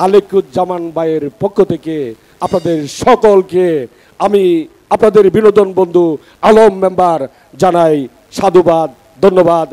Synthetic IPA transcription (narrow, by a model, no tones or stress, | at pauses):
alekut̪d͡ʑamanbajeɾpokʰːot̪ʰeke | apnad̪eɾʃɔkolke | ami | apnad̪eɾbinod̪onbond̪ʱu | alomːembaɾ | d͡ʑanaj | ʃad̪ʱubad̪̚ | d̪ʱonːobad̪